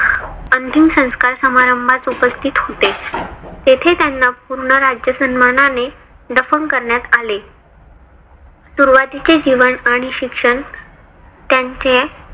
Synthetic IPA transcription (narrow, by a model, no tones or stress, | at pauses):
ənt̪imsə̃w̃skaɾsəmaɾəmbʱat͡supəst̪ʰit̪hot̪et̪et̪ʰet̪janːapuɾɳəɾad͡ʑjəsənməɳane | ɖəfənkəɾɳjat̪ale | suɾʋat̪it͡sed͡ʑiʋəɳaɽ̃iɕikʂəɳ | t̪jaɲt͡se